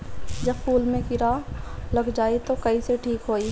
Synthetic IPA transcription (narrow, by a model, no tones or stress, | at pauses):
d͡ʒəbpʰuːlmẽkɪɾalɐɡd͡ʒaːit̪okɐiseʈʰiːkɦoːi